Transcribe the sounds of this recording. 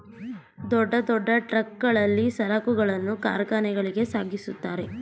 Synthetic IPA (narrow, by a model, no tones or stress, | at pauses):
d̪ɔɖːɐd̪ɔɖːɐʈɾɐk̚ɡɐɭɐlːisɐlaːkuɡɐɭɐnːuka̰ːɾɡaːnɛɡɐɭiɡe̞saːɡisut̪ːaːɾe̞